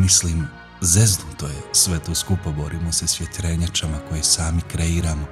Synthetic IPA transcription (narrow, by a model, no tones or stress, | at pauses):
misliːm | zezd̪ut̪ojesʋet̪oːskupabo̞ɾiːmosesʋjet̪ɾeɲat͡ʃamako̞jesaːmikɾeiːɾaːmo